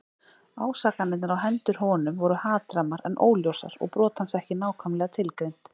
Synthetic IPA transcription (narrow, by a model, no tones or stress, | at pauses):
aːwsaːkanːɪt̪naɾawɦɛnt̪ʏɾ̥hɔnʏmvɔɾʏhaːt̪ɾamaɾɛ̰nʔo̰ːwljowsa̰ɾɔ̰ɣpɾɔːt̪hansɛhcɪnaːwkʰœmlɛɣat̪ʰɪlkɾejn̥t̪